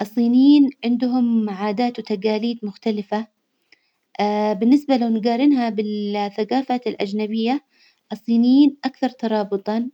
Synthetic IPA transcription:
ʔɑsˤːiːniːnʕɪnd̪ʊɦʊmʕaːd̪aːt̪wt̪aɡaːliːd̪mʊxt̪alɪfa | bɪnːɪsbalawnɪɡaːɾɪnɦabɪlθaɡaːfat̪ɪlʔa̰d͡ʒnabɪjːa | ʔɑsˤːiːniːnʔakθɑɾˤt̪ɑɾˤɑːbɨt̪ˤɑn

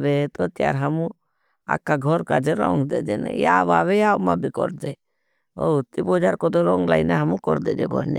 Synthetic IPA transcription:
ʋet̪ot̪ja̰ɾɦəmũ | a̰kːaɡʱɔɾkad͡ʒeɾɔ̰ŋɡd̪ed͡ʒ̪en̰jaːʋaʋejaːmãbʱikɔ̰ɾd̪e | ot̪ːibɔd͡ʒaɾkɔd̪oɾɔːŋɡlaːineɦəmũkɔɾd̪ed͡ʒḛɡʱɔ̰ɾnḛ

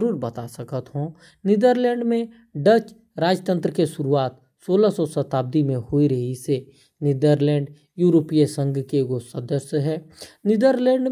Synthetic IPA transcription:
ɾuːɾbɐt̪asəkət̪ɦõ | nɪd̪əɾlɛ̃ːɳɖmẽ | ɖət͡ʃ | ɾaːd͡ʒjət̪ə̃nt̪ɾəkeʃʊɾuaːt̪ | soːlasɔsət̪aːb̚d̪imẽhoiɾɐɦise | nɪd̪əɾlɛ̃ːɳɖ | juːɾoːpijesə̃ŋɡkeɡosə̃d̪əsɦɛːnɪd̪əɾlɛ̃ːɳɖ

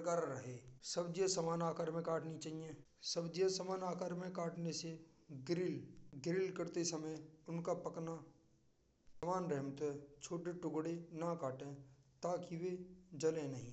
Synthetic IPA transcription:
kaːɾɾɐɦeːsəbd͡ʒiəsɐmaːnaːkaɾmẽkaːʈnit͡ʃaːɦijẽː | səbd͡ʒiəsɐmaːnaːkaɾmẽkaːʈnese | ɡɾɪlɡɾɪlkəɾt̪esɐməjʊnkapɐkna | sɐmaːnɾɛɦmt̪ɦɛt͡ʃʰoːʈeʈʊɡɽenakaːʈẽt̪aːkiʋed͡ʒɐlẽnɐɦĩ

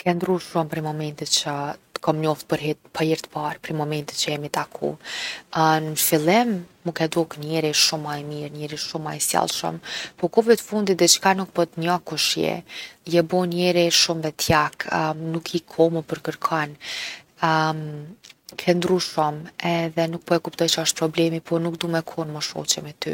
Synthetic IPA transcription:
kʰɛnd̪ɾuʃɔmpɾimɔmɛnt̪it̪t͡ɕət̪kɔmɲɔft̪̚pəɾɦpəiɾt̪ə̥paɾpɾimɔmɛnt̪it̪t͡ɕəjɛmit̪akʰṵ | nfilˠɛmːukɛd̪ɔknɛɾiʃumajmiɾnɛɾiʃumajsja̰lˠʃə̰mpɔkɔvɛt̪əfund̪it̪̚d̪ɛt͡ʃkanuk̚pɔt̪ɲakuʃjɛ̰jɛbɔnɛɾiʃumvɛt̪ʰjaknukʰikʰɔmupəɾkəɾkʰan | kʰɛnd̪ɾuʃɔmɛðɛnuk̚pɔɛkupt̪ɔjt͡ɕaʃt̪̚pɾɔblɛmipɔnukd̪umɛkʰɔnməʃɔ̰t͡ɕɛmɛt̪y̰

